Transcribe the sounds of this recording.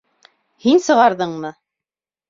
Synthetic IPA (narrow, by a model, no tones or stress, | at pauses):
hinsɤ̆ʁɑɾðɤɴmɤ